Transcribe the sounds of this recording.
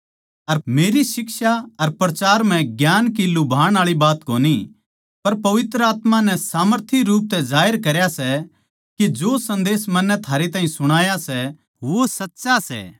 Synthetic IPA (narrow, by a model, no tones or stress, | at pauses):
ɐɾmeːɾisɪkʃaɐɾpɾɐt͡ʃaːɾm̤ɛ̃ɡjaːnkilʊbʱaːɽ̃aːɭibaːt̪koːni | pɐɾpɐʋɪt̪ɾəaːt̪manɛsaːməɾt̪ʰiɾuːp̚t̪ɛzaːəɾkɐɾjasɛ | kid͡ʒoːsɐ̃nd̪eːsmɐnːɛt̪ʰaːɾet̪aːĩsʊɽ̃aːjasɛ | ʋosɐtːʃasɛ̰ː